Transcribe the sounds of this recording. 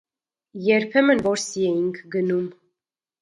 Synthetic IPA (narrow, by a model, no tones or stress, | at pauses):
jɛɾpʰɛmənvɔɾsiɛjiŋkʰɡənum